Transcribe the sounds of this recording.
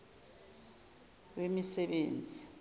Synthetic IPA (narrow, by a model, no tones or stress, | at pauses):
wemisɛɓeːnd͡zʱi